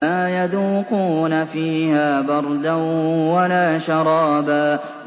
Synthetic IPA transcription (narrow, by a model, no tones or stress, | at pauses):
aːjaðuːquːnafiːhaːbɑɾˤd̪awalaːʃɑɾˤɑːbaː